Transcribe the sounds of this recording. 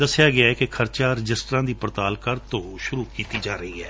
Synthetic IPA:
d̪əsːɪjaːɡɪaːɛːkɪkʰəɾt͡ʃaːɾɪd͡ʒɪsʈɾãːd̪iːpɾət̪aːlkəɾt̪õːʃʊɾuːkiːt̪iːd͡ʒaːɾəiːɦɛː

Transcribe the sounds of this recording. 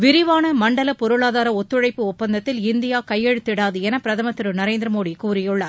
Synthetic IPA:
ʋɪɾɪʋaːnɐmɐɳɖɐlɐpɔɾɯɭaːðaːɾɐɔt̪ːɯɻɐɪpːɯʊpːɐnd̪ɐt̪ːɪlɪnd̪ɪjaːkɐjːɛɻɯt̪ːɪɽaːðɯɛnɐpɪɾɐðɐmɐt̪ːɪɾɯnɐɾeːnd̪ɾɐmoːɽikuːɾɪjɯɭːɐ

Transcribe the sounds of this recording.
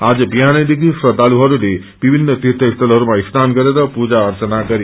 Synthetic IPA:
ad͡zʌbiɦanʌjd̪iɡisɾʌd̪ʱaluɦʌɾule | b̥ibʱinːʌt̪it̪ʌkt̪ʌlɦʌɾumaist̪ʰanɡʌɾeɾʌpud͡zaʌɾt͡sʌnaɡʌɾi

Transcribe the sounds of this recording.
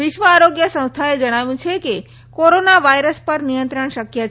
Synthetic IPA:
ʋɪʃʋəaɾoɡjəsə̃w̃st̪ʰaed͡ʒəɽ̃aʋjũt͡ʃʰeke | koɾonaʋaiɾəspəɾnijə̃nt̪ɾəɳʃəkjət͡ʃʰ

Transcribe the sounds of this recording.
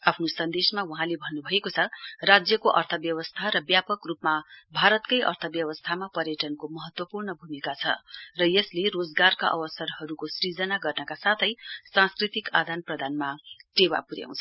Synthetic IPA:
apʰnosʌnd̪esmawuɦãlebʱʌnːubʱʌekot͡sʰʌrad͡zjʌkoʔʌrt̪ʰʌbjʌwʌst̪ʰaɾʌbjapʌkrupmabʱaɾʌt̪kʌjʔʌ̰rt̪ʰʌbjʌwʌst̪ʰamapʌrjʌʈʌnkomʌɦʌt̪wʌpurnʌbʱumikat͡sʰʌ̰rʌjeslerod͡zɡarka̰ʔʌ̰wʌsʌrhʌɾukosɾid͡zʌnaɡʌrnʌkasat̪ʰʌjsãnskrit̪ika̰d̪ʱanprʌd̪ʱanmaʈewa̰puɾja̰w̃t͡sʰʌ̥

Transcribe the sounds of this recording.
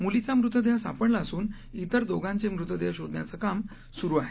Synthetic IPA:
mulit͡samɾut̪ʋəd̪jasa̰pəɽlaəsuːn | it̪əɾd̪oɡãɲt͡ɕemɾut̪ʋəd̪jaɕod̪nja̰t͡səkam | suɾuaɦe

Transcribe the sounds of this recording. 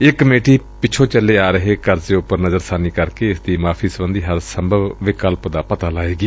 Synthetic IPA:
ɪkːmeːʈiːpɪt͡ʃʰõːt͡ʃəlːeːaːɾəɦeːkəɾzeːʊpːəɾnəzəɾsaːniːkəɾkeːɪsd̪iːmaːpʰiːsəbənd̪iːɦəɾsəmbʱəʋʋɪkəlpd̪aːpət̪aːlaːeːɡiː

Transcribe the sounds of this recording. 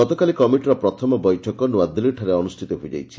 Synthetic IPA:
ɔt̪ɔkalikɔmiʈɾɔpɾɔt̪ʰɔmɔbɔjʈʰɔkɔnuwad̪iliʈʰaɾeɔnusʈʰit̪ɔɦojd͡ʒa̰jt͡ʃʰi̥

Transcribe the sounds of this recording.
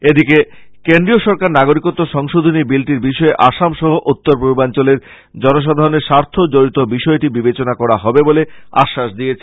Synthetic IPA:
ed̪ike | kend̪ɾioʃɔɾkaɾnaɡoɾikot̪ːoʃɔŋʃod̪ʱonibilʈiɾbiʃɔeʔaʃamʃɔɦoʔut̪ːoɾpɾubibant͡ɕoleɾ | d͡ʑɔnoʃ̬ad̪ʱaɾoneɾʃaɾt̪ʰod͡ʑoɾit̪obiʃɔeʈibibet͡ɕonakɔɾaɦɔbebolea̰ʃːaʃd̪ijet͡ɕʰe

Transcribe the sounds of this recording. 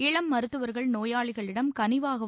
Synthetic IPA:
ɪɭɐmːɐɾɯt̪ːɯʋɐɾɣɐɭnoːjaːɭɪɣɐɭɪɽɐmkɐnɪʋaːɣɐ

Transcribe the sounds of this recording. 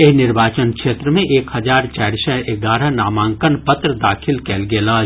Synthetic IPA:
eɦnɪɾbaːt͡ʃənkʃeːt̪ɾəmẽʔeːkhɐd͡ʒaːɾt͡ʃaːɾsɛek̚ɡaːɾanaːmãːŋkənpət̪ɾəd̪aːkʰɪlkɛːlɡeːlaː

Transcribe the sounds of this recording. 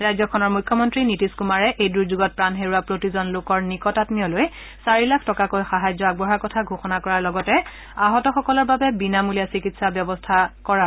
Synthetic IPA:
ɹajzɔkʰɔnɔɹmujkʰːɔmɔntɹinitiskumaɹɛʔejduɹzuɡɔt̚pɹanɦeɹuapɹotizɔnlokɔɹnikɔtatnijɔloj | saɹilakʰtɔkakojxaɦajzɔaɡ̚bɔɦaɹkɔtʰaɡʱoxɔnakɔɹaɹlɔɡɔtɛ | aɦɔtɔxɔkɔlɔɹbabɛbinamulijasikitsabjɔbɔstʰakɔɹa

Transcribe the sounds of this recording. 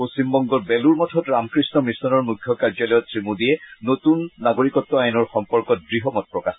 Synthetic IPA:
posimbɔŋɡɔtbɛluɹmɔtʰɔtɹamkɹisnɔmisɔnɔɹmukʰjɔkaɹd͡ʒalɔjɔtsɹimudijɛnotunːaɡoɹikɔtːɔajnɔɹxɔmpɔɹkɔt̚dɹiɦɔmɔt̚pɹɔkax

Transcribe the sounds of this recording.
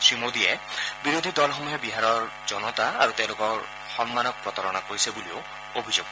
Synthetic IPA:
sɹimod̪iebiɾod̪ʱid̪ɔlɔxɔmuɦebiɦaɾɔɾ | d͡ʒɔnɔt̪aa̰ɾut̪ew̃lokɔ | xɔnmanɔk̚pɾɔt̪ɔɾɔñakoisebulio | obʱid͡ʒoɡ

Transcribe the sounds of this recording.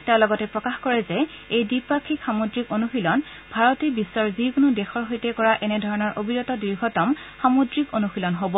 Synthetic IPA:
talɔɡɔtɛpɹɔkaxkɔɹɛzɛ | ejdipakʰikxamodɹikonuxilɔn | bʱaɹɔtibisːɔɹzikʊnʊdɛxɔɹɦojtɛkɔɹaʔɛnɛdʱɔɹɔnɔɹʔobʱinɔtɔdiɹɡʱɔtɔmxamodɹikonuxilɔnɦobɔ

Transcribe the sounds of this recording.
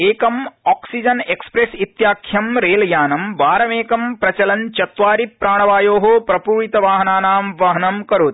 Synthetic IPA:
eːkɐmɔːksid͡ʒɐnekspɾesit̪jaːkʰjɐmɾeːljaːnɐmʋaːɾɐmeːkɐmpɾɐt͡ʃɐlɐnt͡ʃɐt̪ʋaːɾipɾaːɳ̃ɐʋaːjoːɦopɾɐpuːɾit̪ɐʋaːɦɐnaːnaːmʋɐɦɐnɐmkɐɾoːt̪

